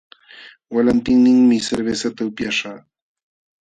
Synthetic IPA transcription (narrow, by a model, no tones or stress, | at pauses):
walant̪ɪŋnɪŋmɪseɾbesat̪aʊpjaʃɑː